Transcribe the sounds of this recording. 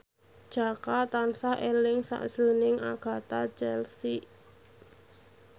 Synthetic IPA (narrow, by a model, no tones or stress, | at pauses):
d̥ʒ̥a̤kat̪ansahʔelɪŋsa̰ʔʒ̥ɾonɪŋaɡ̥a̤t̪at͡ʃɛlsi